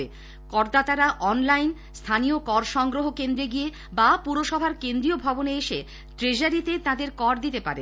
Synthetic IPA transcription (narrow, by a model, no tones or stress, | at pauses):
e | kɔɾd̪at̪aɾaʔɔnlajn | st̪ʰaniokɔɾʃɔŋɡɾoɦokend̪ɾeɡie | bapuɾoʃɔbʱaɾkend̪ɾiobʱɔboneeʃḛ | ʈɾed͡ʑaɾit̪et̪ãd̪eɾkɔɾd̪it̪epa̰ɾḛ